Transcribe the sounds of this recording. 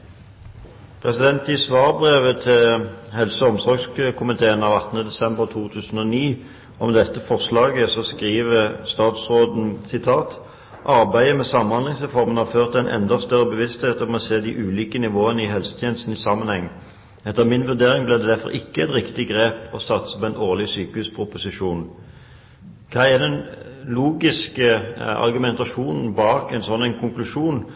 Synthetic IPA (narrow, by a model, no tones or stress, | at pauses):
pʰʁɛsɪd̪ɛnt̪ɪsʋɑːʁbʁeːʋət̪ʰɪlhɛlsəɔmsɔʁɡskʰʊmɪt̪ʰeːənɑʋɑt̪ːən̩əd̪ɛsɛmbəʁt̪ʰuːt̪ʰʉːsn̩ɔniː | ɔmd̪ɛt̪ːəfɔʁslɑːɡəsɔskʁiːʋəst̪ɑːt̪sʁoːd̪n̩sɪt̪ʰɑːt̪ | ʔɑʁbæɪəmɛsɑmnhɑnd̪lɪŋsʁɛfɔʁmənɑføːʁt̪əæɪnʔɛ̰nd̪ɑst̪œʁəbəʋɪst̪heːt̪ɔmɔseːd̪iʔʉːliːkənɪʋoːənəɪɦɛlsə̥t̪ʰjeːnəst̪n̩ɪsɑmːənhɛŋː | ɛt̪ːəmɪnʋʉʁd̪eːɾɪŋblɛd̪ɛd̪æfɔ̰ɾɪkːəɛt̪ɾɪkt̪ɪɡʁeːpɔsɑt̪sə̥pɔɛnoːʁlɪsyːkəhʉspʰʊpʊsɪʂuːn | kʰɑːæd̪ɛnluːɡɪskəɑ̰ʁɡʉmɛnt̪ɑʂuːnn̩bɑːkæɪnsɔnːɛnkʰʊŋklʉʂuːn